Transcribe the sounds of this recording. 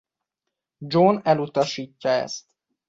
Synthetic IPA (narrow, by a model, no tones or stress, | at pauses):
d͡ʒoːnɛlut̪ɒʃiːcːɒɛ̰st̪